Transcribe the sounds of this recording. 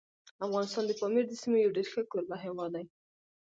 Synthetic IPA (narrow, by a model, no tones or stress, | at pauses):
afɣɑnɪst̪ɑnd̪əpɑmeɾd̪əsimejawɖeɾxəkoɾbaɦewɑd̪aj